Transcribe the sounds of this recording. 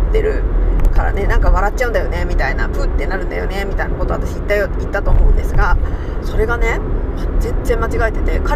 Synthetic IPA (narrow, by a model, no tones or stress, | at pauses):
t̪ːe̞ɾɯ̟kaɾa̰ne̞nãŋkaβ̞aɾat͡ɕːt͡ɕaɯ̟̃nd̪ajo̞ne̞mʲit̪ainapɯt̪ːenaɾɯ̟̃nd̪a̰jo̞̰ne̞mʲit̪ainako̞t̪o̞at̪aɕiːt̪ːajit̪ːat̪o̞ːmo̞ɯ̃nd̪e̞sɨɡa | so̞ɾe̞ɡane̞mazẽ̞nzẽ̞mːat͡ɕiɡaet̪e̞̥t̪e̞ka